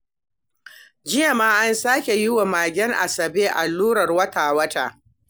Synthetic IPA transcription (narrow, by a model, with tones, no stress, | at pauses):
d͡ʒɪ˦ja˨maː˦ʔa˦nsaː˦kʲe˨jɪ˦wa˨maː˨ɡʲɛ˦ŋʔa̰˨sɐ˨beː˦ʔa˨lːuː˦ɾɐ˨rwɐ˦taː˨wɐ˦ta̰ː˨